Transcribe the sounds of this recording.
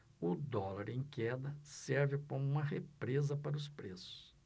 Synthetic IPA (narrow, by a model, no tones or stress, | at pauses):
ʊd̪ɔlaɾẽj̃kɛd̪ɐsɛɾvɪkõmũmɐɦepɾezɐpaɾɐʊspɾesʊ̥s